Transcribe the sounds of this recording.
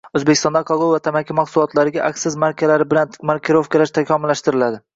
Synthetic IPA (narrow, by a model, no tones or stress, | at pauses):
ɵzbekʰʲɪ̥st̪ɒnd̪aqʰɒɡolˠvat̪ʰamakʲʰːamaksʊlˠɒt̪laɾɪɡʲaʔakʲsɪzmaɾkʲʰalaɾɪbɪlanmaɾkʲʰɪɾofkʲɪlaʃt̪ʰakʲʰɒmɪlːaʃt̪ɪɾɪlad̪ɪ